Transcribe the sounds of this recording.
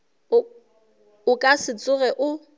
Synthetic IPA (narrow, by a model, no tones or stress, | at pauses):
ʊkʼasɪt͡sʼʊrɛʔʊ